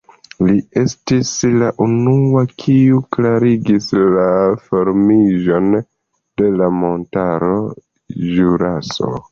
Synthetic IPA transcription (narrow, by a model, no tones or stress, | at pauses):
lie̞stislaʔunuakʰiuklaɾiɡislafoɾmiʒo̞n | d̥e̞lamo̞ntaɾo̞ | ʒuɾaso̰